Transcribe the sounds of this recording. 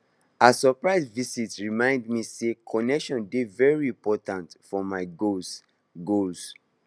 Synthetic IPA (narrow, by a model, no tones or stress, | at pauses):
asɔpɹaɪsvisitɹimãɪ̃ndmisekʰɔnɛkʃɔ̃ndevɛɹiĩmpɔtãntfɔmaɪɡos | ɡols